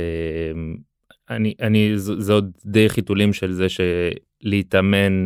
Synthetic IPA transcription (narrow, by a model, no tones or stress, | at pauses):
em | aniʔanizzod̪̚dejχitulimʃe̞lzeʃe | leit̪ame̞n